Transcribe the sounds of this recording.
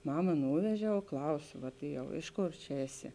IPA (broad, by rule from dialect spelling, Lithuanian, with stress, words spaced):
ˈmɑːmɐ ˈnuːʋʲɛˌʒʲɛ oː ˈklˠɐʊs ˈʋɐt ɪ jɛʊ ˈɪʃ ˌkoːr t͡ʃʲɛ ˈæːˌsʲɪ